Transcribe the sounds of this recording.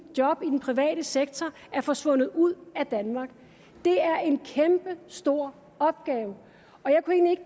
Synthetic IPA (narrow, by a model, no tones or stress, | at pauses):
jɒ̽b̥id̥enpʰʁiʋɛ̰ːɾ̥əseɡ̥̚t͡sʰɒ | æɐfɒ̽sʋɔ̽n̰ð̞̩ˠuð̰ˠæd̥ænmɑ̈ɡ̥ | d̥e̝æɐʔe̝nkʰemb̥əsd̥o̝ɐ̰ | ɒ̽b̥̚ɡ̥ɛːʊ | ɒ̽jɑ̈ɪkʰueːŋnlie̝ɡ̥